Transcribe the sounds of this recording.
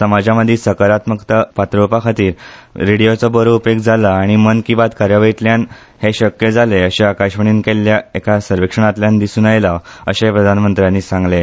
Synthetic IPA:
səmad͡ʑaməd̪ʱːisəkaɾat̪məkt̪əpat̪ɾopakʰat̪iːɾːiɽijot͡sɔbəɾuupekd͡zʱalaːɽ̃imənkiʋat̪kaɾjəʋəjit̪ljan | heɕəkjəd͡zʱaleəɕeakaɕʋəɳ̃iːnkelːjaekasəɾʋikʂəɳ̃at̪ljand̪isuːnajlaəɕẽpɾəd̪ʱanmənt̪ɾjanːiːsãŋɡle

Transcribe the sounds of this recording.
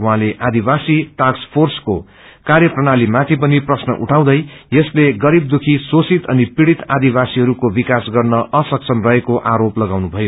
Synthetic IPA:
uɦãleʔad̪ibasiʈakspʰorsko | karjʌprʌɽ̃alimat̪ʰipʌniprʌsnʌ̰ʔṵʈʰaw̃d̪ʌjjʌsleɡʌɾib̚d̪ukʰisosit̪ʌnipiɽit̪ad̪ibasiɦʌɾukobikasɡʌrnʌʔʌsʌksʰʌnrʌɦekoʔaɾoplʌɡawnubʱʌjo

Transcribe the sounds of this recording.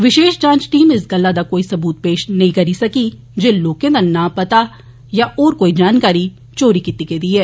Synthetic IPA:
ʋɪʃeːʃd͡ʒãːnt͡ʃʈiːmɪsɡɐlːad̪akoːisɐbuːt̪̚peːʃnɐɦĩkɐɾisɐki | d͡ʒeloːkẽd̪ɐnapɐt̪a | jaʔɔːɾkoːid͡ʒaːnkaːɾi | t͡ʃoːɾikit̪iked̪iːɦɛː

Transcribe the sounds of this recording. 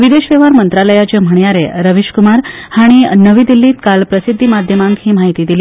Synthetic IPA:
ʋid̪eʃʋeʋaɾmənt̪ɾaləjat͡ɕəm̤əɳjaɾeɾəʋiʃkumaɾ | haɽ̃inəʋiːd̪ilːiːt̪kalpɾəsid̪ʱːimad̪ʱjəmãŋkɦĩːmaɦit̪iːd̪ili

